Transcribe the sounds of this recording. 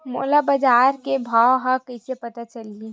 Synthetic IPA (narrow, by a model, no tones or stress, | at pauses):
mo̰ːlabɐd͡ʒaːɾkebʱawɦãkəsepɐt̪at͡ʃɐlie